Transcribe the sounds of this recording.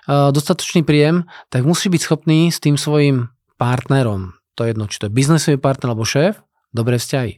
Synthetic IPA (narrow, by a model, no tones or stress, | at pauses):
d̪ɔst̪at̪ɔ̥t͡ʃniːpɾiːjɛmt̪aɡmusiːbicsxɔpniːst̪iːmsʋɔjim | paɾt̪nɛɾɔmt̪ɔɛjɛd̪nɔt͡ʃi̥t̪ɔjɛbiznisɔʋipaɾt̪nɛɾalɛbɔʃɛːf | d̪ɔbɾɛːfscaɦḭ